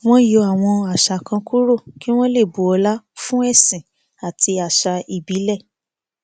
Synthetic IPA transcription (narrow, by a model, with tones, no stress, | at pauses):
w̃ɔ̃˦jo˧˦a˨w̃ɔ̃˧a˨ʃa˧˨kã˧ku˦ɾo˦˨ki˦w̃ɔ̃˦le˦˨bu˨ɔ˧la˦fũ˦ɛ˦˨sĩ˨ | a˨tʰi˧a˨ʃa˧i˨bi˨˦lɛ˦˨